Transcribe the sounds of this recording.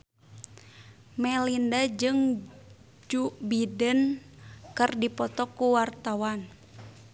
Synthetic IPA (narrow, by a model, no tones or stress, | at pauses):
mɛlindad͡ʒɨŋ | d͡ʒuʔbidənkɨrdipɔt̪ɔkːuwart̪awan